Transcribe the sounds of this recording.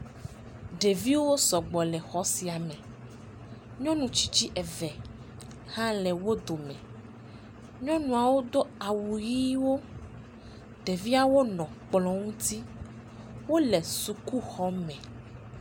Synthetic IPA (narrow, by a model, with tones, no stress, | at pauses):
ɖe˨vi˦wo˦sɔ˨ɡ͡bɔ˨lɛ˨xɔ˦si˨a˨mɛ̃˨ | ɲɔ̃˦nũ˨t͡ʃi̥˦t͡ʃi˦ʔɛ˨vɛ˨ | hã˦lɛ˨wo˦d̪o˨mɛ̃˨ | ɲɔ̃˦nũ˨a˨wo˦d̪o˦a˨wu˨ji˦wo˦ | ɖe˨vi˦a˦˨wo˦nɔ̃˨k͡plɔ̃˨ŋũ˦t̪i˦ | wo˦lɛ˨su˨ku˦xɔ˦mɛ̃˨